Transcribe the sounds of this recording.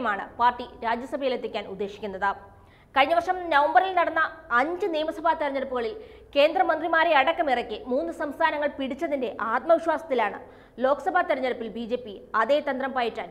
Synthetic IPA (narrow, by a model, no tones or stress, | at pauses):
ɐmaːɳɨ̰paːrʈiɾaːd͡ʑjɐsɐbʱɐjilet̪ːikʲːaːnud̪ːe̞ːɕikʲːunːɐðɨ | kɐɻiɲːɐʋɐrʂɐmnɐʋɐmbɐrilnɐɽɐnːɐːɲd͡ʑɨniːmɐsɐbʱaːt̪eɾɐɲːɐɽupːuɣɐɭil | ke̞ːnd̪rɐmɐnd̪rimaːɾeɐɽɐkːɐmirɐkʲːɨmuːnːɨsɐmst̪ʰaːnɐŋːɐɭpiɽit͡ɕːɐðinde̞ʔaːt̪̚mɐʋiɕwaːsɐt̪ːilaːɳɨ̰ | lo̞ːkːɐ̥sɐbʱaːt̪eɾɐɲːɐɽupːilbiːd͡ʑe̞ːpːiɐðeːt̪ɐnd̪rɐmpaːjiʈːaːn